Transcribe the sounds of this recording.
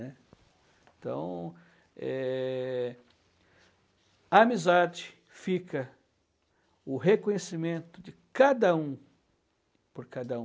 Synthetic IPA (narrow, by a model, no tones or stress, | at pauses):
ɛ | et̪ɐ̰̃w̃ | ɛ | ɐamizad͡ʒɪ | fikɐ | ʊɦekõɲesimẽnt̪ʊd͡ʒɪkad̪ɐũ | poɾkad̪ɐũ